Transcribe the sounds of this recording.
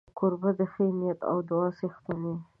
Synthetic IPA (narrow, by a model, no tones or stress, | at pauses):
kʊɾbad̪əxəmijat̪a̰wd̪ʊɑsixt̪ane